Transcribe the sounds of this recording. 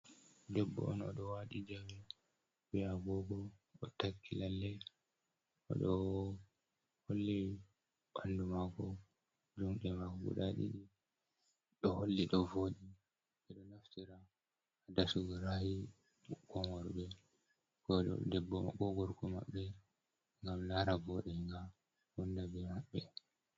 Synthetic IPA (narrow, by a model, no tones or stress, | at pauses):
dɛbːɔ̰ʔɔnɔ̰ɗɔwaɗid͡ʒawɛ | bɛaɡɔɡɔɔtakːilalːɛ | ʔɔ̰ɗɔ | holːi | ɓandumakɔ | d͡ʒumɗɛmakɔɡṵɗaɗḭɗi | ɗɔholːiɗɔvoːɗi | ɛɗɔnaftiɾaː | dasuɡaɾahi | kɔŋɔɾbɛ | kɔ̰dɛbːɔkɔɡɔɾkɔma̰ɓːɛ | ŋɡamlaɾavɔɗɛŋɡa | wɔndabɛmaɓːɛ